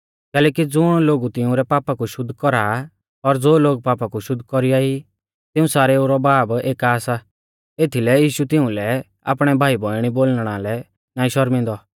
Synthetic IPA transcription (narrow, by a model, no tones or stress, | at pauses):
kɛːlɛːkid͡zʊɽ̃loːɡut̪ɪʊ̃ɾɛpaːpakuʃʊd̪ʱːkɔɾa | ɔɾd͡zoːloːɡ̚paːpakuʃʊd̪ʱːkɔɾijai | t̪ɪũsaːɾɛuɾɔbaːbeːkaːsa | eːt̪ʰilɛjiːʃut̪ɪũlɛ | a̰ːpɽ̃ɛbʱaːibʱɔɪɽ̃iboːlɽ̃alɛ | naːĩʃɔɾmɪ̃nd̪ɔ